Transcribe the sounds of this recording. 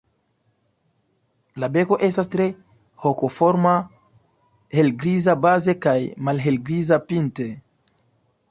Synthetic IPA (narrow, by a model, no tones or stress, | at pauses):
labe̞ko̞ʔe̞stastɾe̞ | hokofoɾma | he̞lɡɾizabaze̞kajmalɦelɡɾizapinte